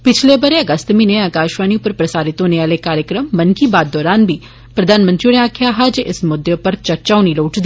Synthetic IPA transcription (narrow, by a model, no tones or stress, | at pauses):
pɪt͡ʃʰlebɐɾeɐɡəst̪mĩːneɐkaːʃʋaːniʊpəɾpɾɐsaːɾɪt̪õːneaːlekaːɾjəkɾəmːɐnkibaːd̪̚ːɔːɾaːnbʱiː | pɾɐd̪ʱaːnmə̃nt̪ɾineaːkʰjaɦɐd͡ʒɪ̰smʊd̪jepəɾt͡ʃəɾt͡ʃaːʊniloːʈd̪